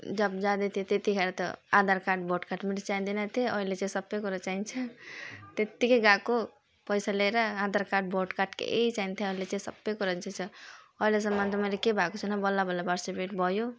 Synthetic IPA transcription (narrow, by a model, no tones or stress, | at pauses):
d͡ʒʌbd͡ʒad̪et̪ʰiet̪et̪ikʰaɾat̪ɔ̰ãd̪aɾkaʈ̚boʈkaʈmeɾet͡ʃaind̪enat̪ʰeʌɦilet͡ʃaĩsʌbːekoɾʌt͡ʃaint͡ʃʰat̪et̪ːikeɡako | pʌjsaleɾaad̪aɾkaʈ̚bʱoʈkaʈkḛʔḛɦit͡ʃaint̪ʰeʌɦilet͡ʃaĩsʌbːekoɾʌnt͡ʃʰat͡ʃʰʌ | ʌɦiles̬ʌ̃mːant̪mʌlekebʱakot͡ʃʰʌnabɔlːabʌlːabaɾsipeʈ̚bʱʌjo